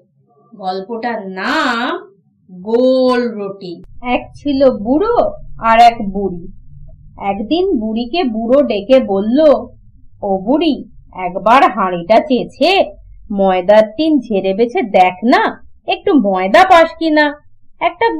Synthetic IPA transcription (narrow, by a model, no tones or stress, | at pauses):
ɡɔlpoʈaɾnam | ɡolɾoʈiɛkt͡ɕʰilobuɾoaɾɛkbuɽi | ɛkd̪inbuɽikebuɾoɖekebolːo | obuɾiɛkbaɾɦaɽiʈat͡ɕet͡ɕʰemɔed̪aɾt̪ind͡ʑʱeɾebet͡ɕʰed̪ɛkʰnaek̚ʈumɔed̪apaʃkina | ɛk̚ʈa